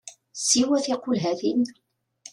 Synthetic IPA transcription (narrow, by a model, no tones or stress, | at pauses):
siwæθɪqulɦæθin